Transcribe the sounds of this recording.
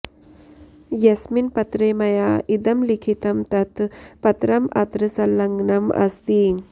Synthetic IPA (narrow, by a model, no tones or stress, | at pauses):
jɐsminpɐt̪ɾeːmɐjaːʔid̪ɐmlikʰit̪ɐmt̪ɐt̪pɐt̪ɾɐmɐ̰t̪ɾɨsɐlːɐŋɡɳɐmɐ̰st̪i